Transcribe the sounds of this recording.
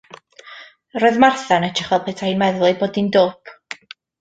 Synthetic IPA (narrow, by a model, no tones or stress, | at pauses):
roːɨðmarθanɛtʰɪχɛlˠpʰɛːtʰainmɛðlˠɨboːdindoːpʰ